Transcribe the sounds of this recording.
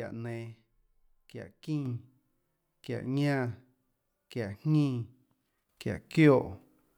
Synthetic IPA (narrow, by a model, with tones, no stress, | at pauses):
a̰˨ʔnẽː˨ | kja̰˨ʔkĩː˦˨ | kja̰˨ʔɲãː˦˧ | kja˨ʔhŋĩː˦˨ | kja̰˨ʔkjoː˦˨ʔ